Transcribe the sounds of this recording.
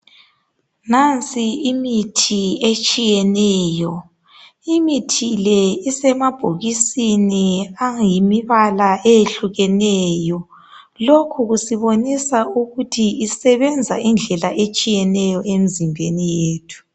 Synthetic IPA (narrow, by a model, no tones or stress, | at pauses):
nant͡sʼiimitʰiet͡ʃʼijɛnɛːjɔ | imitʰilɛisɛmab̥ʱoɣisiniajimiβalaʔejeɬuɣɛnɛːjɔ | lokʰuɣusiβonisauɣutʰiisɛβɛnd͡zʱa̰ʔind͡ɮʱɛlaʔet͡ʃʼijɛnɛjɔemizimbʱenijeːtʰu̥